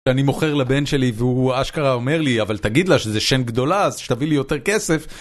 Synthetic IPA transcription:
eanimo̞χeʁlabe̞nʃe̞liveuaʃkaʁao̞me̞ʁliavalt̪aɡid̪laʃezeʃenɡd̪o̞laːzʃet̪avilijo̞t̪e̞ʁkesef

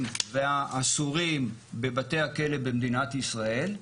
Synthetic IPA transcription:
mveaʔːsuʁimbe̞bat̪e̞hake̞le̞bemd̪inat̪isʁae̞l

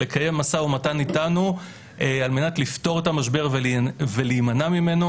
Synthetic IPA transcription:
lekʰaje̞mːasaumatanitanu | ealme̞natlifto̞ʁetamaʃbe̞ʁveveliːmanamime̞no

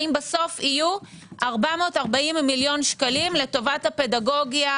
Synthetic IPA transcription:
imbaso̞fiju | ʔaʁbamo̞taʁbaimːiljo̞nʃkalimle̞to̞vathape̞daɡo̞ɡja

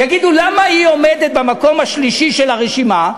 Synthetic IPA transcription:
jaɡid̪ulamaio̞med̪et̪̚bemako̞maʃliʃiʃelhaʁeʃima

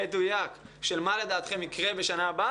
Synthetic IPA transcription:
edujakʃe̞lmale̞d̪aːt̪χemikʁe̞beʃanaːba

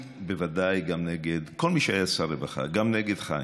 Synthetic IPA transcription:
bevadajɡamneɡed̪ko̞lmiʃeajasaɾevaχa̰ɡamneɡed̪χa̰

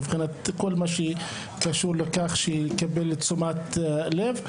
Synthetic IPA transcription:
vχinat̪kolmaʃei | kaʃuʁlekaχʃekabelt͡sumat̪lev

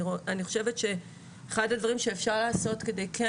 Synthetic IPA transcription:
oaniχo̞̥ʃe̞vetʃe̞ː | χadadvaʁimʃe̞ːfʃaʁlaːso̞tke̞de̞jkʰa

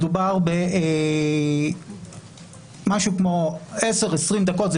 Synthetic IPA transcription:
dubaʁbe | maʃukmo̞eseʁesʁimd̪ako̞t̪z

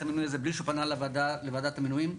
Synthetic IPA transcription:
aminujazebliʃupanalvdalevaːd̪at̪aminujim

